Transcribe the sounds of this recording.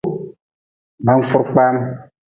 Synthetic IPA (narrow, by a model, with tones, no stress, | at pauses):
ba˦m̩˦fʊ˦ɾk͡pa˦m